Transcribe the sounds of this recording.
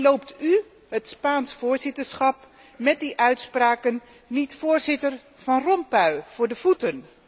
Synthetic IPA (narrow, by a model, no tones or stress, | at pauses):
lowpty | ɦətspaːnsfʊːɹzɪtəɹsχɑp̚ | mɛt̚diʔœɥtspraːkən | nitfʊːɹzɪtər | v̥ɑnrɔnpœɥvʊːɹdəv̥utən